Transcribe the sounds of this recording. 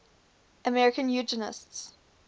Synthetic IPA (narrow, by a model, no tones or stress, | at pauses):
ʔəmɛɹɪkə̃njʉd͡ʒənɪ̰sts